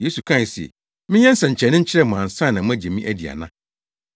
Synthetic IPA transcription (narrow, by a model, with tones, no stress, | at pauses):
je˦su˨kʰã˦˨si˨ɛ̰˨ | mɪ̃˦ɲɛ̃˦n̩˦sã˨ɲ̩˨t͡ɕʰɛ˨nɪ̃˦ɲ̩˦t͡ɕʰɪ˦ɾɛ˦˨m˨ã˨n̩˨sã˦˨nã˨m̃˦æ˦d͡ʑɛ˨mĩ˦ʔæ˦di˨a̰˨nã˦